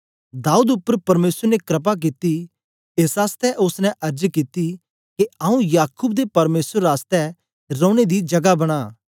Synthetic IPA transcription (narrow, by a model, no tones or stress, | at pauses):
d̪aːuːd̪ʊpːəɾpɐɾmeːsəɾnekɾɐp̬ak̬it̪i | eːsaːst̪ɛʔʊsnɛ̃ʔɐɾd͡ʒkit̪i | keɐũjaːkuːbd̪epɐɾmeːsəɾːaːst̪ɛ | ɾɔ̃ːɽ̃ed̪id͡ʒɐɡabɐɽ̃aː